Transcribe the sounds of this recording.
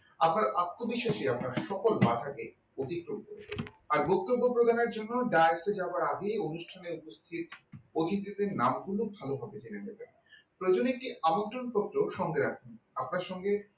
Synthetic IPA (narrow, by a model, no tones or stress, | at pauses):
apnaɾat̪ːobiʃeʃeapnaɾʃɔkolbad̪ʱaɡe | ot̪ikɾomkoɾe | aɾbok̚t̪obːopɾod̪aneɾd͡ʑonːoɖaesed͡ʑabaɾaɡeonuʃʈʰaneupost̪ʰit̪od̪ʱit̪̬it̪enamɡulobʱalobʱabet͡ɕilenet̪anapɾoed͡ʑonek̚ʈiamont̪ɾonpot̪ːɾoʃɔŋɡeɾakʰenap̚naɾʃɔŋɡe